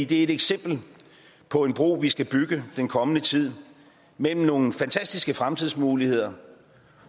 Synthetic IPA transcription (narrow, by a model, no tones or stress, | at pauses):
d̥e̝æɐe̝d̥eɡ̥sem̰b̥l̩ | pʰɒ̽e̝nb̥ʁo̝̰ːʋisɡ̥æb̥yɡ̥əd̥enkʰɒ̽mənət͡sʰið̞̰ˠ | mel̰m̩no̝ːŋn̩fænt͡sʰæsd̥isɡ̥əfʁamt͡sʰiðˠsmuːlihe̝ð̞̰ˠɐ